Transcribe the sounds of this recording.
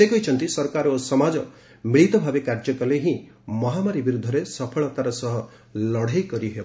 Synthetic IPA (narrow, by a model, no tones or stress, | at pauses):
ekɔit͡ʃʰɔnt̪isɔɾkaɾosɔmad͡ʒɔ | miɭit̪ɔbʱabekaɾd͡ʒɔkɔleɦĩ | mɔɦamaɾibiɾud̪ʱːɔɾesɔpʰɔɭɔt̪aɾɔsɔɦɔ | lɔɽ̤ajkɔɾiɦebɔ